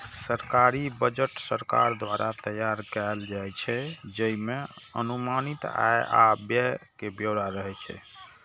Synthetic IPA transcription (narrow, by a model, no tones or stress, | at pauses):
səɾkaɾibəd͡ʒəʈsəɾka̰ɾd̪waɾʔat̪əjaɾkald͡ʒajt͡ʃʰɛd͡ʒəimeə̰numanit̪a̰eʔa̰bjəkebjoɾaɾəɦɛt͡ʃʰɛ̰